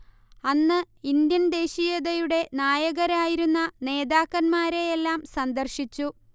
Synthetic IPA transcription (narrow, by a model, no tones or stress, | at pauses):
ɐnːɨ | ind̪jɐnd̪e̞ːɕijɐðɐjuɽe̞naːjɐɣɐɾaːjiɾunːɐne̞ːðaːkːɐnmaːɾe̞jelːaːmsɐnd̪ɐrɕit͡ɕːu